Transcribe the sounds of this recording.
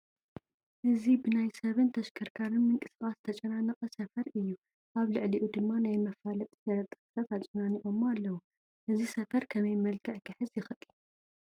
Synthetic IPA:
ʔɨzibɨnajsɐβɨnt̪ʰɐʃkʰɐɾkʰaɾɨnmɨŋkʼɨsɨχʼast̪ʰɐt͡ʃʼɐnanɨqʼɐsɐfɐɾɨjːu | ʔaβlɨʕliʔud̪ɨmːanajmɐfalɐt̪ʼi̥sɐɾɐt̪ʼɨ̥sfat̪at͡ʃʼɐnaniʔo̞malːɐwu | ʔɨzisɐfɐɾkʰɐmɐjmɐlkʰɐʕkʰɨħɨzjɪxɨt̪ʼi̥

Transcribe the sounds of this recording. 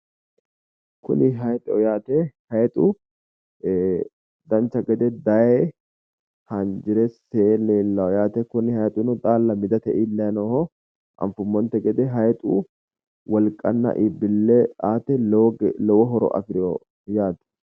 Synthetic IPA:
kʰʊ̰nɪɦɐjt̪ʼɔ̰jaːt̪ɛhɐjɛt̪ʼu | d̪ɐnt͡ʃːɐɡɛd̪ɛd̪ɐje | hɐnd͡ʒɪɾɛseːleːlːɐwɔjaːt̪ɛkʊnɪhɐjt̪ʼunʊt̪ʼaːlːɐmɪd̪ɐt̪ɛʔɪlːɐnoːhɔ | ɐ̰ɱfʊmːɔnt̪ɛɡɛd̪ɛɦɐjt̪ʼṵ | wɐlkʼɐ̰nːɐ̰ʔɪbːɪlːeaːt̪ɛlɛwɔɦɔɾɔ̰ʔɐ̰fɪɾɪo | jaːt̪ɛ̥

